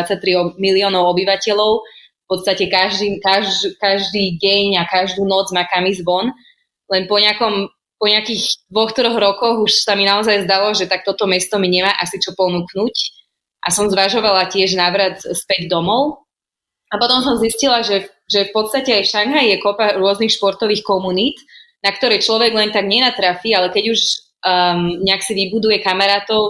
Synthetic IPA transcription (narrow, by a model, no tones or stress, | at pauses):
t͡sac̚t̪ɾiɔmiliɔːnɔʊɔbiʋacɛʎɔʊ | fpɔt̪st̪acɛkaʒd̪iːkaʒkaʒd̪iːɟɛɲakaʒd̪uːnɔd͡zmaːkamizʋɔn | lɛnpɔɲɪakɔm | pɔɲɪakiːɣd̪̥ʋɔxt̪ɾɔɣɾɔkɔɣuʃsaminaɔzajzd̪alɔʒɛt̪ak̚t̪ɔt̪ɔmɛst̪ɔmiɲɛmaːʔasit͡ʃɔpɔnuknuc | ʔasɔmzʋaʒɔʋalacɪɛʒnaʋɾat̪spɛɟd̪ɔmɔʊ | apɔt̪ɔmsɔmziscilaʒɛ | ʒɛfpɔt̪st̪acɛajfʃaŋɦaijɛkɔpaɾʊɔznixʃpɔɾt̪ɔʋiːxkɔmunit̪nakt̪ɔɾɛːt͡ʃlɔʋɛɡlɛnt̪aɡɲɛnat̪ɾafialɛkɛɟuʒ | ɲɛaksiʋibud̪ujɛkamaɾaːt̪ɔʊ